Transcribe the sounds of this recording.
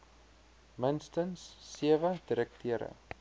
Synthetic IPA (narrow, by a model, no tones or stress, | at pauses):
mənstənsːiəvədiɾək̚tʰiəɾə̰